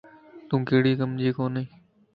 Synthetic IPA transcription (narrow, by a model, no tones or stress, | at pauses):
t̪ũːkeːɽiːkəmd͡ʒiːkoːnĩː